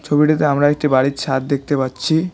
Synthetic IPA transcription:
t͡ɕʰobiʈit̪eamɾaek̚ʈibaɽit̪ʃat̪̚d̪ek̚ʰt̪epatːɕʰi

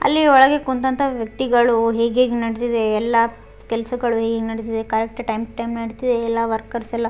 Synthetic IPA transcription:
ɐ̰lːiɔɭɐɡe̞kunt̪ɐnt̪ɐʋjɐk̚t̪iɡɐɭuɦeːɡeːɡenɐɽit̪id̪eːlːɐ | kɛlɐsɐɡɐɭuɦeːɡeːɡenɐɽit̪̬id̪ekɐɾek̚ʈʈɐjmʈɐjmnɐɽit̪id̪eːlːaʋɐɾkɐɾsɛlːɐ

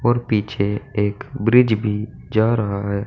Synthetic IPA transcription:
ɔːɾpiːt͡ʃʰeeːkbɾɪd͡ʒbʱi | d͡ʒaːɾɐɦaɦɛː

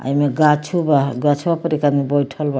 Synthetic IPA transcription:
a̰jmeɡat͡ʃʰubaɡat͡ʃʰubapəɾikanibɔjʈʰɔlba

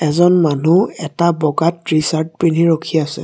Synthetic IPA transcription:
ɛzɔnmanuɛtabɔɡatɹisaɹt̚piniɹokʰiasɛ̰

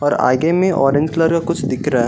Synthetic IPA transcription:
ɔːɾa̰ːɡemẽʔɔ̰ːɾɖẽnd͡ʒkləɾkakʊt͡ʃʰd̪ɪkʰɾa

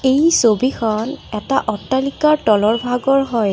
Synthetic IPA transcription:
ejsobikʰɔnɛtaʔɔtːalikaɹtɔlɔɹbʱaɡɔɹɦɔj

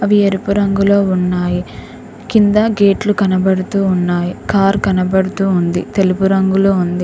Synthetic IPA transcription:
ɐʋieɾupuɾɐŋɡulo̞ːunːaːji | kind̪ɐɡe̞ːʈlukɐnɐbɐɽut̪uːnːaːjikaːɾkɐnɐbɐɽut̪uːnd̪it̪e̞lupuɾɐŋɡuloːund̪i

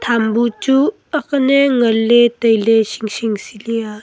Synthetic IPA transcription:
t̪ʰambut͡ʃu | ɐkɐneŋɐlːetɐjlesiŋsiŋsilia

